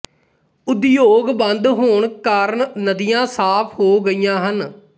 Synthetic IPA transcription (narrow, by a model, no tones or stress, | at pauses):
ʊd̪joːɡbə̃nd̪ɦoːɳkaːɾəɳnəd̪ijãːsaːpʰhoːɡəijãːɦən